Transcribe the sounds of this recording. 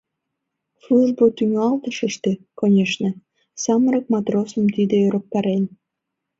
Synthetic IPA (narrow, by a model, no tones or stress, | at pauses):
fluʒbot̪yŋɑlt̪əʃəʃt̪ekonʲeʃnĕ | sɑməɾək̚mɑt̪rosəmt̪id̪eøɾok̚t̪ɑɾen